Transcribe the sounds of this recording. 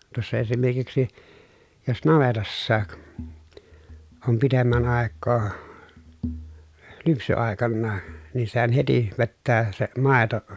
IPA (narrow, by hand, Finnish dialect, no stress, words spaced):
tŭosːɑ esimerkiksi jos nɑʋetɑsːɑːk om pitemːæn ɑˑekːoː lypsyɑˑekɑnːɑː niː sehæn heti ʋetːæː se mɑˑeto